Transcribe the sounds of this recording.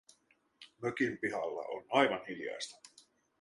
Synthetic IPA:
møkimpiɦɑlːɑ̰ʔo̰nɑjʋɑnhiljɑ̰jst̪ɑ̥

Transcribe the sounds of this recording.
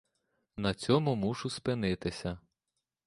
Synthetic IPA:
nɐt͡sʲɔmʊmuʒʊspɪnɪt̪ɪsʲɐ

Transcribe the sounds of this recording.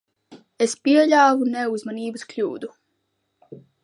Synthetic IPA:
espiɛʎʲaːvunɛuzmaniːbɨsklʲuːd̪u

